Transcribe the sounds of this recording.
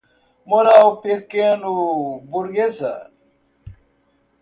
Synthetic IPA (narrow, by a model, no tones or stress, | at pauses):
moɾaupekːenubuɾɡesa̰